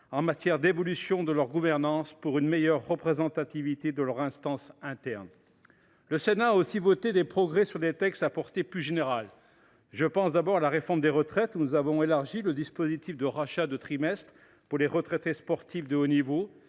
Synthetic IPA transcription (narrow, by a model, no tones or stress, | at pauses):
ɑ̃mat̪jɛʁd̪evɔlysjɔ̃d̪əlœʁɡuvɛʁnɑ̃spuʁynmejœʁːəpχezɑ̃t̪at̪ivit̪ed̪əlœʁɛ̃st̪ɑ̃sɛ̃t̪ɛʁn | ləsenaːosivɔt̪ed̪epχɔɡʁɛsyʁlet̪ɛkst̪apɔʁt̪eplyʒeneʁal | ʒəpɑ̃sd̪abɔʁalaʁefɔʁmd̪eʁət̪χɛt̪unuzavɔ̃elaʁʒiləd̪ispozit̪ifd̪əʁaʃad̪ət̪χimɛst̪χ | puʁleʁət̪χɛt̪espɔʁt̪ifd̪əonivo